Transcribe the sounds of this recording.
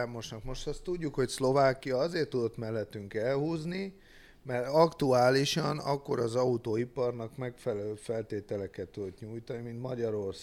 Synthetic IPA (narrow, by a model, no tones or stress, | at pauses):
mo̞ʃnɒkmo̞ʃt̪ɒst̪uɟːukho̞cslo̞vaːkːijɒɒzeːrt̪ːud̪o̞t̪mɛlːɛt̪ːyŋkɛlhuːzni | mɛrɒkt̪uaːliʃɒnɒ̰kːo̞ɾɒzɒut̪oːipɒrnɒkmɛkfɛlɛløːfɛlt̪eːt̪ɛlɛkɛt̪ːud̪o̞t̪ɲuːjt̪ɒnimint̪mɒɟɒɾo̞rs